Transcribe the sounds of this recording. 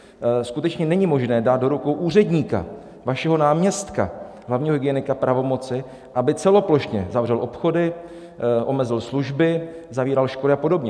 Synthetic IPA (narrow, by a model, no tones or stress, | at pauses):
skut̪ɛt͡ʃɲɛnɛɲɪmo̞ʒnɛːdaːt̪̚do̞ɾukowʔuːrɛdɲiːka̰ | vaʃɛɦo̞naːmɲɛst̪ka̰ | ɦlavɲiːɦoɪɡɪɛnɪkapɾʔavo̞mo̞t͡sɪ | ʔabɪt͡sɛlo̞plo̞ʃɲɛzavrɛlʔo̞pxo̞dɪ | ʔo̞mɛzɪlsluʒbɪzaviːɾalʃko̞lɪapo̞do̞bɲɛ